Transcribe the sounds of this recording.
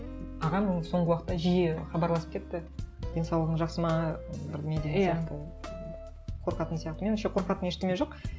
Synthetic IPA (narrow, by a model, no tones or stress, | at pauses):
ɑʁɑmso̞ɴʁəwɑqə̥t̪ːɑʒijeχɑbɑɾlˠɑsə̥pkʲʰe̞t̪ːɪd̪̥e̞nsɑwlˠəʁəɴʒɑqsəmɑbɪɾd̪emed̪eeijɑqt̪ə | qʰo̞ɾqɑt̪ənsijɑq̚t̪əme̞nʃeqʰo̞ɾqɑt̪əne̞ʃt̪emeʒo̞q